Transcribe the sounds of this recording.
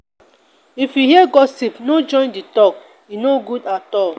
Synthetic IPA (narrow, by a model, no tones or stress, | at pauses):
ifjuhiɛɡɔsipnod͡ʒɔ̃ɪ̃nditɔk | jinoɡudatɔl